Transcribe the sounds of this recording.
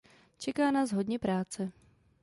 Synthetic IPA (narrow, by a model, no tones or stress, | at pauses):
t͡ʃɛkaːnaːzɦodɲɛpɾaːt͡sɛ